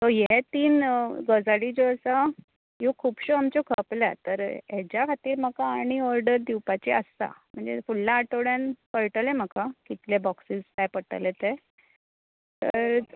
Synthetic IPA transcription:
t̪ojet̪iːnɡəd͡zaɽid͡ʑoəsa | jokʰuːbɕoamt͡ɕokʰəpla̰t̪əɾɦet͡ɕjakʰat̪iːɾməkaːɽ̃iɔɾɖəɾd̪iwpat͡ɕiə̰st̪a̰m̤əɳd͡zḛfulːaːʈoɽjanpəɾʈəlem̤əkakit̪lebɔksiːskajpəʈə̰let̪e | t̪ə̰ɾ

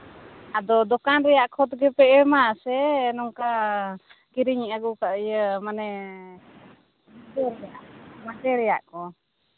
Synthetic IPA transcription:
ad̪ɔd̪ɔkanɾɛjaʔkʰɔt̪ɡɛpɛɛmasɛnɔŋka | kiɾiɲaɡukaʔəjəmanɛ | mad͡ʒɛɾɛjaʔmad͡ʒɛɾɛja̰ʔkɔ

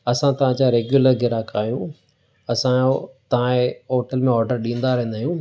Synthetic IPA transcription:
ɐsãt̪ɐʋ̤ãd͡ʑaɾeːɡjuləɾɡɪɾakaːɦijũ | ɐsãt̪ɐʋ̤ãeoːʈəlmẽɔːɾɖəɾɗĩːn̆d̪aɾẽẽnd̪aːɦjũː

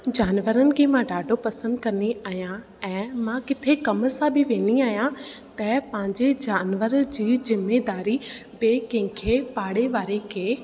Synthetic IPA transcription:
d͡ʑaːnʋəɾənɪ̆kʰeːmãɖaːɖʱopɐsə̃nd̪kɐniʔaːɦijã | ɛ̃ːmãkɪt̪ʰekɐmə̆sãbʱɪʋẽːniaːɦijãt̪ɐpɐ̃ɦɪ̃ɲd͡ʑed͡ʑaːnʋəɾd͡ʑiːzɪmːed̪aːɾibeːkɐ̃ɪ̃kʰepaːɽeʋaːɾekʰeː

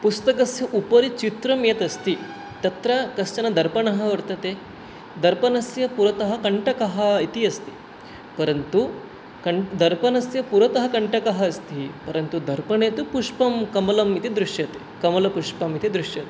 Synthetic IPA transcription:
pust̪ɐk̬ɐsjɐʔupɐɾit͡ʃit̪ɾɐmjet̪ɐst̪i | t̪ɐt̪ɾɐkɐst͡ʃɐnɐd̪ʱɐɾpɐɳɐɦɐʋɐɾt̪ɐt̪e | d̪ɐɾpɐnɐsjɐpuɾɐt̪ɐɦɐ̆kɐɳʈɐkɐɦɐit̪iɐst̪i̥ | pɐɾɐnt̪u | kɐɳd̪ʱɐɾpɐnɐsjɐpuɾɐt̪ɐɦɐkɐɳʈɐkɐɦɐːst̪ipɐɾɐnt̪ud̪ʱɐɾpɐɳeːt̪upuʂpɐmkɐmɐlɐmit̪id̪ɾuʂjɐt̪e | kɐmɐlɐpuʂpɐmit̪id̪ɾuʂjɐt̪e

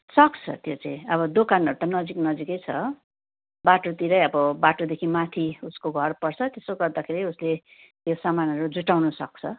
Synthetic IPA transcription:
sʌkt͡sʰʌ̰t̪jot͡sãĩʌbʌd̪okanʌɾut̪anʌd͡ziknʌd͡zikʌjt͡sʰʌ | baʈot̪iɾʌjʌbʌbaʈod̪ekʰimat̪ʰiuskoɡʱʌrpʌrt͡sʰʌt̪esoɡʌrd̪akʰeɾiusle | t̪josamanʌɾud͡zuʈawnʌsʌ̰k̚t͡sʰʌ

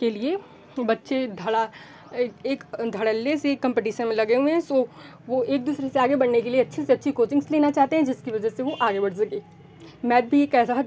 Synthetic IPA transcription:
kelie | bɐtːʃed̪ʱɐɽa | eːkd̪ʱɐɽəlːesekːɐ̃mpɛːʈiːʃə̃nmẽlɐɡeɦuɛ̃soː | ʋoeːk̚d̪uːsɾeseaːɡebɐɽnekelieɐtːʃʰeseɐtːʃʰikoːt͡ʃɪ̃ŋsleːnat͡ʃaːɦt̪eɦɛ̃d͡ʒɪskiʋɐd͡ʒəseʋoʔaːɡebɐɽsɐkeː | mɛːd̪̚bʱieːkɛːsaɦɐ

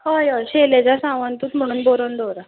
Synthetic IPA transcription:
ɦajɔɕelet͡ɕjasãʋant̪uːt̪m̤əɽ̃uːnboɾond̪ʱoɾa

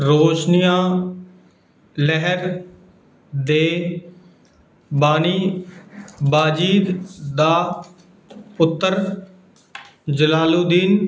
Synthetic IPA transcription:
ɾoːʃnijãː | lɛɦəɾ | d̪eː | baːniː | baːd͡ʒiːd̪d̪aː | ʊt̪ːəɾ | d͡ʒəlaːluːd̪iːn

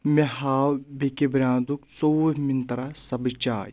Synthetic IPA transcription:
mehɦaːwbekebɾãːnd̪ukt͡sowmint̪ɐɾasɐbit͡ʃaːj

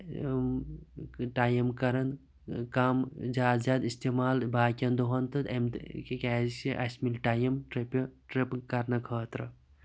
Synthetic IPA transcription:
ʈaːjɐmkɐɾɐn | kamzʲjaːd̪zʲjaːd̪ist̪emaːlbaːkʲɐnd̪oɦɐnt̪ɨt̪emt̪kekɛːzsiʔɐsmilʈaːjɐmʈɾepʈɾepkɐɾnɐkʰəːt̪ɾɐ

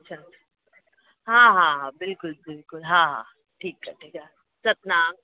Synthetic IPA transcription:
ɐtːʃʰaː | ḁ | ɦãːɦãɦãbɪlkʊlbɪlkʊlɦãːɦã̰ | ʈʰiːkːaʈʰiːkaː | t͡ʃɐt̪̚naːm

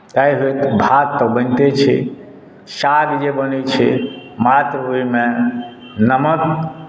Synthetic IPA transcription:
t̪aiɦot̪bʱat̪ːəbənt̪et͡ʃʰḭ | saɾid͡ʒebənet͡ʃʰḭmat̪ɾoɦime | nəmət̪

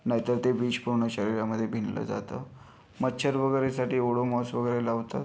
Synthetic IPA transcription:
naɦit̪əɾt̪eʋiːd͡ʑpuɾɳəɕəɾiɾjaməd̪ʱːjebʱinlə̰d͡za̰t̪ə | məːɕʰəɾʋəɡəɾesaʈiːoɽomɔsʋəɡəɾelaʋt̪at̪

